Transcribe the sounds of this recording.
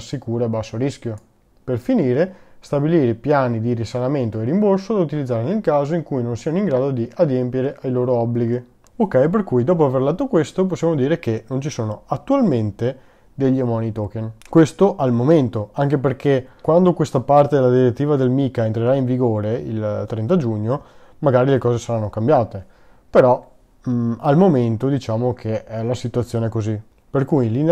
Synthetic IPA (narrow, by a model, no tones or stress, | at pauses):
sikuːɾeabːasːoɾiskjo | perfiniːɾest̪abiliːɾepjaːnid̪iɾisalament̪oeɾimborsod̪aut̪ilid̪zaːɾenelkaːzoiŋkujnonsianoiŋɡɾaːd̪od̪iʔad̪jempjeɾeʔajloːɾoɔbːliɡi | okːɛjp̬erkujd̪ɔːpoaverlat̪ːokwest̪op̬osːjaːmod̪iːɾekenont͡ʃisoːnoat̪ːualment̪e | d̪eʎːamɔːnit̪okenkwest̪oʔalmoment̪oaŋkep̬erkekwand̪okwest̪apart̪ed̪elːad̪iɾet̪ːiːvad̪elmikaent̪ɾeɾaiɱviɡoːɾeḭlt̪ɾɛnt̪ad͡ʒuɲːo | maɡaːɾilekɔːzesaɾanːokambjaːt̪e | peɾɔ | almoment̪od̪it͡ʃaːmokʰeɛlasit̪uat̪sːjoːnekozi | perkujlin